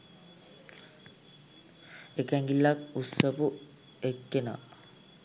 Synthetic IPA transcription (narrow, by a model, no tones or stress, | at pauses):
ekæŋɡilːakusəpu | ekːena̰